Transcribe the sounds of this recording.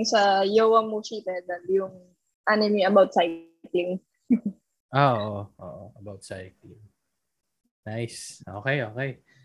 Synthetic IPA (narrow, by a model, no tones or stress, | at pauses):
ŋsɐjowɐmuʃit̪ɛd̪ɐnjʊŋ | ʔanɪmiɐbawt̪̚saj | klɪŋ | ʔoʔʔoʔo̰ːʔoɐbawt̪̚sajklɪŋ | najsʔo̰ːkɛjʔoːkɛj